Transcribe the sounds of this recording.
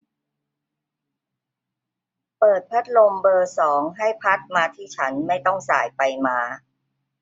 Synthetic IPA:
pɤː˨˩t̪̚pʰa˦˥t̪̚lo˧mbɤː˧sɔː˩˦ŋɦa˥˩jpʰa˦˥t̪̚maː˧t̪ʰiː˥˩t͡ɕʰa˦˥nma˥˩jt̪ɔ˥˩ŋsa̰ː˩˦jpa˧jmaː˧

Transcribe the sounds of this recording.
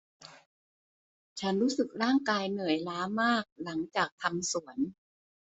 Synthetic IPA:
t͡ɕʰa˦˥nɾuː˦˥sɯ˨˩k̚ɾaː˥˩ŋkaː˧jnɯ˨˩əjlaː˦˥maː˥˩k̚la˩˦ŋt͡ɕaː˨˩k̚t̪ʰa˧msu˩˦ən

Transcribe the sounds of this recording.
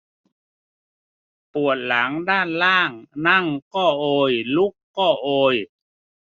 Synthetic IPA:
pu˨˩ət̪̚la˩˦ŋdaː˥˩nlaː˥˩ŋna˥˩ŋkɔː˥˩ʔoː˧jlu˦˥kːɔː˥˩ʔoː˧j

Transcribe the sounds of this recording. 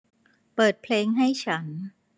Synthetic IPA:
pɤː˨˩t̪̚pʰleː˧ŋɦa˥˩jt͡ɕʰa˦˥n

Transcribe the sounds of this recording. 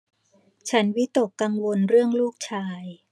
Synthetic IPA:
t͡ɕʰa˦˥nwi˦˥t̪o˨˩kːa˧ŋwo˧nɾɯ˥˩əŋluː˥˩k̚t͡ɕʰaː˧j

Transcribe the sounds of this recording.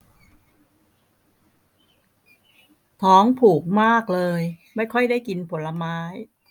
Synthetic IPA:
t̪ʰɔː˦˥ŋpʰuː˨˩k̚maː˥˩k̚lɤː˧jma˥˩jkʰɔ˥˩jdaː˥˩jki˧npʰo˩˦nla˧maː˦˥j

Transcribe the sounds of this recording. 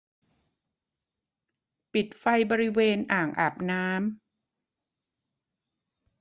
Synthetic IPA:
pi˨˩t̪̚fa˧jbɔː˧ɾi˦˥weː˧nʔaː˨˩ŋʔaː˨˩p̚naː˦˥m

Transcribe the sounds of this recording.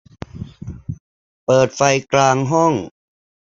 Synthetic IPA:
pɤː˨˩t̪̚fa˧jklaː˧ŋɦɔ˥˩ŋ

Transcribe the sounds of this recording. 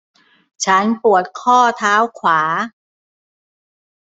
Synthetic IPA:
t͡ɕʰa˦˥npu˨˩ət̪̚kʰɔː˥˩t̪ʰaː˦˥wkʰwaː˩˦

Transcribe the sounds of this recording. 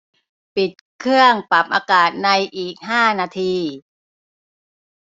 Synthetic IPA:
pi˨˩t̪̚kʰɯ˥˩əŋpa˨˩p̚ʔaː˧kaː˨˩t̪̚na˧jʔiː˨˩k̚ɦaː˥˩naː˧t̪ʰiː˧

